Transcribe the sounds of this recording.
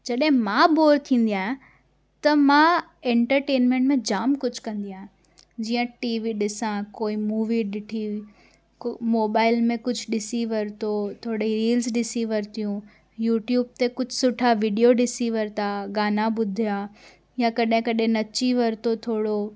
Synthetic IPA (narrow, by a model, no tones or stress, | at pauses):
d͡ʑɐɗɦɪ̃mãːboːɾt̪ʰĩːn̆d̪ijaːɦɪ̃ | t̪ɐmãẽːɳʈəɾʈeːnmẽɳʈmẽd͡ʑaːmkʊd͡ʑʱkɐ̃nd̪iaːɦɪ̃ | d͡ʑiːə̃ʈiːʋiɗɪsãkoːimuːʋiɗɪʈʰi | moːbaːɪlmẽkʊd͡ʑʱʊɗɪsiʋɐɾt̪ot̪ʰoːɽiɾiːlzɗɪsiʋɐɾt̪ijũ | juːʈjuːb̚t̪ekʊd͡ʑʱsʊʈʰaʋiɖijoɖɪsiʋɐɾt̪ʰaɡaːnaɓʊd̪ʱija | jãkɐɗɦɪ̃kɐɗɦẽnɐt͡ɕiʋɐɾt̪ot̪ʰoːɽo